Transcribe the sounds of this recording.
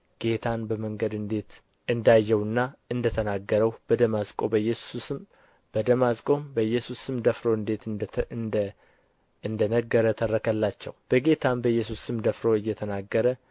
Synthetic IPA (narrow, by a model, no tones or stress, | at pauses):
ɡ̥e̞t̪ʰanbəməŋɡəd̪ɨnd̪e̞t̪ | ʔɨnd̪ajːɛwɨnːaɨnd̪ət̪ʰənaɡːəɾəwb̥əd̪əmazkʼo̞bəjːɛsusɨm | b̥əd̪əmazkʼo̞mbəjɛsusɨmd̪əfɾo̞ɨnd̪e̞t̪ | ɨnd̪ənəɡːəɾət̪ʰərːəkʰəlːat͡ʃːɛ̰wb̥əɡe̞t̪ʰanbəjːɛsusɨmd̪əfɾo̞ɨjːɛt̪ʰənaɡːəɾə